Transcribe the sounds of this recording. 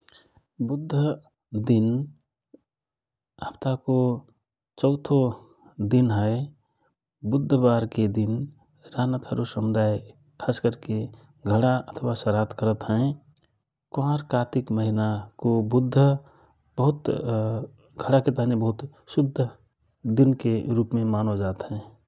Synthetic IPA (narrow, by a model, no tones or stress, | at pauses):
bʊd̪ʱːə | d̪in | apt̪ako | t͡ʃəʊt̪ʰo | d̪inɦə | bʊd̪ʱːəbaɾked̪in | ɾanət̪ɦəɾusəmʊd̪aj | kʰaskəɾke | ɡʱəɽaət̪ʰəʋasəɾat̪kəɾət̪ɦɛ̃ | kãɾkaːt̪ɪkməɦinakobʊd̪ʱːə | bəɦʊt̪ | ɡʱəɽaket̪anebəɦʊt̪ | sʊd̪ʱːə | d̪inkeɾuːpmẽmanod͡ʒaːt̪ɦɛ̃